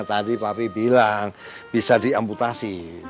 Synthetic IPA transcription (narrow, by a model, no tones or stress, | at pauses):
t̪adipapibilaŋ | b̥isadiamput̪asi